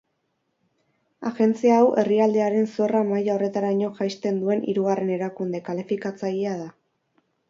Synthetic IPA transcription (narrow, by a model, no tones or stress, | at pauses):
aɣe̞nt͡siaːwʔe̞riald̪e̞aɾe̞nso̞ramajao̞re̞t̪aɾaiɲo̞ʝajst̪e̞nd̪ue̞nʔḭɾuɣare̞ne̞ɾakund̪e̞kalifikat͡sajeaða